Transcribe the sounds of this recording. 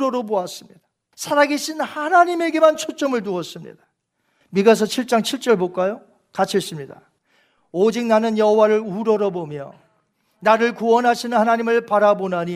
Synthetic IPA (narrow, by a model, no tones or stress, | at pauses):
ɾʌɾoboas͈ɯmɲid̥ḁ | sʰaɾaɡeɕʰinhanaɲime̞ɡe̞mant͡ɕʰot͡ɕ͈ʌmɯɭt̬uʌs͈ɯmɲḭdḁ | miɡas̬ʰʌt͡ɕʰiɭt͡ɕ͈aŋt͡ɕʰiɭt͡ɕ͈ʌɭbok͈ajo | kat͡ɕʰis͈ɯmɲida̰ | od͡ʑik̚nanɯnjʌɦowaɾɯɭuɾʌɾʌbomjʌ̰ | naɾɯɭkuʌnɦaɕʰinɯnhanaɲimɯɭpaɾabonɦaɲi